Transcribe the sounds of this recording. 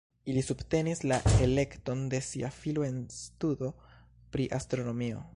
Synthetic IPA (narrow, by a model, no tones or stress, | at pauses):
ilisubte̞nislae̞le̞kto̞nde̞siafiloe̞nstudo̞ | pɾiʔastɾo̞no̞mio̞̰